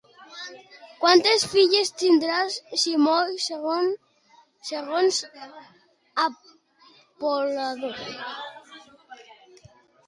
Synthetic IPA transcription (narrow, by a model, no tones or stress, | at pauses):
kwant̪esfiʎest̪ind̪ɾasʃimojseɣon | seɣons | a | polaðo